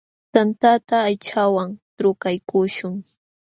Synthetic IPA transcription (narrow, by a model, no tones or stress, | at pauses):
t̪ant̪at̪aːjt͡ʃawaŋ | ɾʊkajkʊʃʊŋ